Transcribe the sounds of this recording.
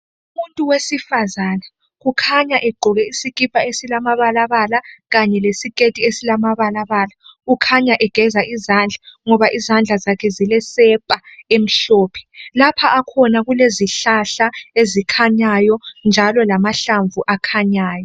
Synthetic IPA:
umuntʼuwesifazaːna | ɣukʰaɲaʔɛɡ͡ǃʱɔɣɛisikʼipʼaesilamaβalaβalaɣaɲɛlesikʼetʼiesilamaβalaβaːlaukʰaɲaʔɛɡ̥ʱɛzaʔizand͡ɮʱaŋɔβaʔizand͡ɮʱazakʰɛzilɛsɛpʼaem̩ɬɔːpʰɛ̥lapʰaʔakʰɔnaɣuleziɬaɬaezikʰaɲajɔnd͡ʒʱalɔlamaɬaɱvuʔakʰaɲaːjɔ

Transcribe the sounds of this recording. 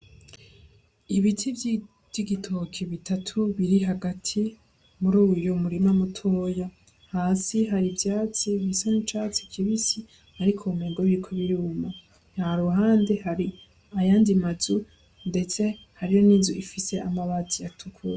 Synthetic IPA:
iβitʰiv | iɡitʰokʰeβitʰatʰuβiɾiɦaɡatʰi | muɾuːwijomuɾimamutʰoːja | haːsiɦaɾibjaːt͡siβisenit͡ʃat͡si̥kʰiβisi | haɾikʰomeɡoβikʰoβiɾuːma | nhaɾuɦaːnde̞haɾi | ajaːndimazu | nde̞t͡se̞ | haɾijo̞niːzuifise̞amaβatijatʰukʰuɾa

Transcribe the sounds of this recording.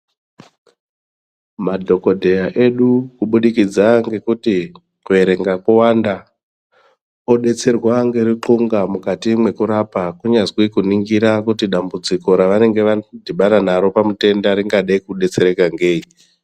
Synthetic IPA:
madʱo̞ko̞dʱe̞jaʔe̞ɗukuɓuɗikid͡zaŋɡe̞kuti | kue̞ɾe̞ŋɡakuwanda | o̞ɗe̞t͡se̞rwaŋɡeriǃuŋɡamukatimwe̞kuɾapakuɲazwikuniŋɡiɾakutiɗambud͡ziko̞ɾaʋane̞ŋɡe̞ʋadʱiɓaɾanaɾo̞pamute̞ndaɾiŋɡaɗaikuɗe̞t͡se̞ɾe̞kaŋɡe̞ːi

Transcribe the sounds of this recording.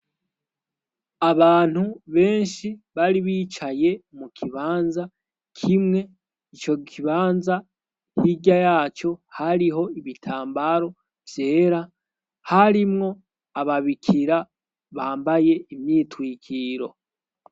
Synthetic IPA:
aβaːn̥huβe̞ːnʃiβaɾiβiːt͡ʃaje̞mukʰiβaːnza | kʰimŋe̞ | it͡ʃo̞kʰiβaːnza | hiɟajaːt͡ʃo̞haɾiɦo̞iβitʰaːmbaɾo̞ | vje̞ːɾa | haɾimŋo̞ | aβaβikʰiɾa | βaːmbaje̞imɲiːtwiːkʰiːɾo̞̰

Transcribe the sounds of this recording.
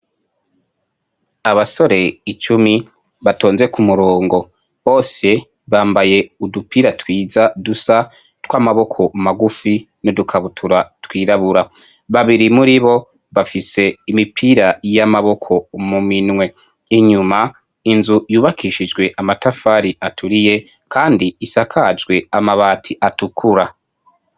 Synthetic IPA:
aβaso̞ɾe̞it͡ʃumi | βato̞ːnze̞kumuɾo̞ːŋɡo̞ | βo̞ːse̞ | βaːmbaje̞udupiːɾatwiːzadusa | twaːmaβo̞kʰo̞maɡufi | nodukʰaβutʰuɾatwiːɾaβuɾa | βaβiɾimuɾiβo̞ | βafise̞imipʰiːɾajamaβo̞kʰo̞muminŋwe̞ | eɲuma | inzujuːβakiʃid͡ʒɡwe̞ʔamatafaːɾiʔatʰuɾije̞ | kʰaːndiːsakʰad͡ʒɡwe̞amaβaːtʰiʔatukʰuɾa

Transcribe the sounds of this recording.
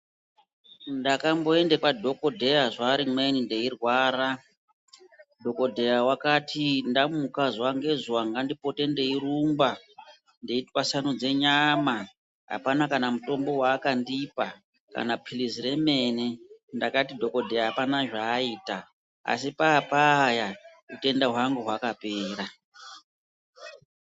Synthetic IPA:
ndakambo̞e̞ndekadʱo̞ko̞dʱe̞jaʐaːɾimwe̞ninde̞irwaːɾa | dʱo̞ko̞dʱe̞jawakatʰindamukazwaŋɡe̞zuwaŋɡandipo̞te̞nde̞iɾumba | ndeitwasanud͡ze̞ɲama | ɦa̰panakanamuto̞mbo̞waːkandipa | ka̰napʰilizire̞me̞nendakatidʱo̞ko̞dʱe̞jaɦapanaʐaːiːta | a̰sipaːpaja | ute̞ndaɦwaŋɡuɦwakape̞ːɾa

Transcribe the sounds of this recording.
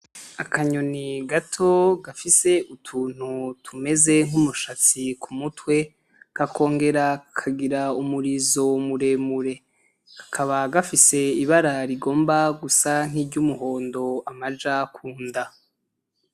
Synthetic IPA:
akʰaɲoniɡatʰo̞ɡafise̞ʔutʰuːn̥hutʰume̞ze̞ŋumuʃat͡sikumutwe̞ | kakʰo̞ːŋɡe̞ɾakʰaɡiɾaumuɾizo̞muɾe̞ːmuɾe̞ | kḁkʰaβaɡafise̞iβaɾaɾiɡo̞ːmbaɡusaŋ̥iːɾɟumuɦo̞ːndo̞amad͡ʒakʰuːnda

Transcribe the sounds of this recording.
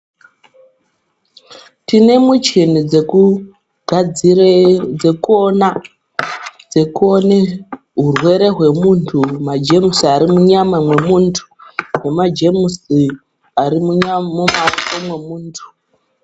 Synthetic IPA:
tine̞mut͡ʃinid͡zeku | ɡ̥ʱad͡zird͡zekuona | d͡ze̞kuo̞ne̞ | ɦurwe̞ɾe̞ɦwe̞muntʰumad͡ʒe̞musiaɾimuɲamamwe̞muːntʰu̥wemad͡ʒe̞musi | aɾimuɲamumaomwemuːntʰu̥

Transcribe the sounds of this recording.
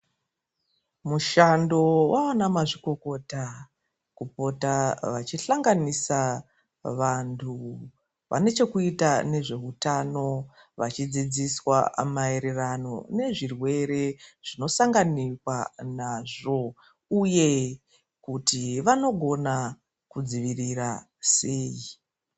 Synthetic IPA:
muʃando̞wʔawanamaʐiko̞ko̞ta | kupo̞taʋat͡ʃiɬaŋɡanisa | ʋantʰu | ʋa̰ne̞t͡ʃe̞kuitane̞ʐe̞ɦutano̞ | ʋat͡ʃid͡zid͡ziswa̰mae̞ɾe̞rano̞̰ne̞ʐirwe̞ɾe̞ʐ̥ino̞saŋɡanikwanaʐo̞ | uje̞ | kutiʋano̞ɡʱo̞na | kud͡ziʋirira | se̞ːji

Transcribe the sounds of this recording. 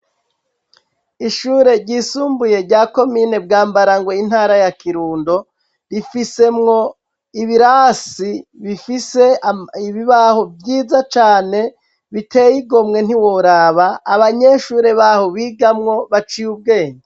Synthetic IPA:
iʃuːɾe̞ɾɟisuːmbuje̞ɾɟaːko̞miːne̞b̚ɡaːmbaɾaŋɡwein̥haːɾajakiɾuːndo̞ | ɾifise̞mŋo̞ | iβiɾasiβifise̞iβiβaho̞vjiːzat͡ʃaːne̞ | βitʰe̞jiɡomŋe̞n̥iwoɾaːβaːβaɲe̞ʃuːɾe̞βaho̞βiːɡamŋo̞βat͡ʃijub̚ɡe̞ːnde

